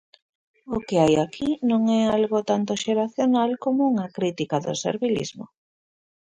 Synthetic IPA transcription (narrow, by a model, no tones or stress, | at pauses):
okeajakinõŋɛalɣot̪ant̪oʃeɾaθjonalkomouŋakɾit̪ikaðʊ̰sḛɾβilḭzmo̰